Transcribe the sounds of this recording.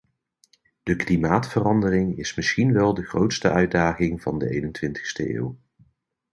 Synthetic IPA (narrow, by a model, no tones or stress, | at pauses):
d̥əklimaːtfərɑndərɪŋɪsmɪsχinʋɛlˠdəχrowtstəʔœɥdaːχɪŋvɑndə̰ʔejnəntʋɪntə̥χstə̰ʔḛːw